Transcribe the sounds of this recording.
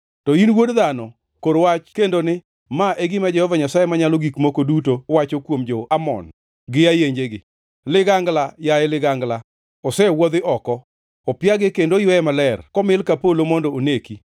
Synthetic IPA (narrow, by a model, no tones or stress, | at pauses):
tɔinwodðanɔ | koɾwat͡ʃkendonɪ | maʔeɡɪmad͡ʒɛhɔvaɲasajemaɲaloɡikmokodutowat͡ʃokwomd͡ʒɔamɔ̰n | ɡɪajeɲd͡ʒeɡɪ | lɪɡaŋɡlajaɛlɪɡaŋɡla | ɔsɛwɔd̪ɪʔɔkɔ | ɔpjaɡɪkendojwɛmalɛrkɔmɪlkapolomɔndɔoneki